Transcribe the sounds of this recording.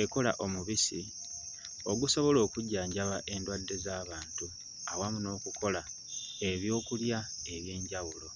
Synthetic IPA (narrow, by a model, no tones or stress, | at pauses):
eko̞la̰ʔo̞muβisi | oɡuso̞βo̞lo̞ːkuɟːaːɲɟaβaʔe̞ndwadːe̞zaːβaːntu | awamuno̞ːkukʰo̞la | e̞βjo̞ːkuljae̞βje̞ːɲɟawulo̞